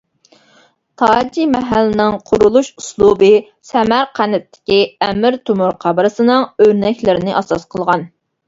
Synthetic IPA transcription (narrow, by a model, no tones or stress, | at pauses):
t̪ʰɑd͡ʒimɛɦælːɪnɪŋqʰʊɾulˠuʃuslˠubɨ | sɛmæɾqʰænɪt̪ʰːɪ̥kʲiɛmɪɾt̪ʰumuɾqʰɑbɨɾɨsɨnɨŋøɾnɛkʲlɪɾɪnɪʔɑsɑsqʰəlˠʁɑn